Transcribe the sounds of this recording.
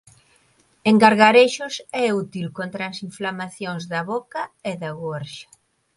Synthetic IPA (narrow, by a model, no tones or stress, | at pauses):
eŋɡaɾɣaɾeʃʊsɛut̪ilkont̪ɾasiɱflamaθjoŋzðɐβokɐɛðɐɣoɾʃḁ